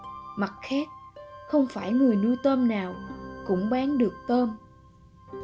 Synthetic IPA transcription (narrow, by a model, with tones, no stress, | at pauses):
ma˨˩t̚xaː˦˥k̚xə˧wŋ͡mfaː˧˩jŋɨ˨˩əjnu˧t̪əː˧mnaː˨˩wkʊ̰˧˥ŋ͡mɓaː˨˦nɗɨ˨˩ək̚t̪əː˧m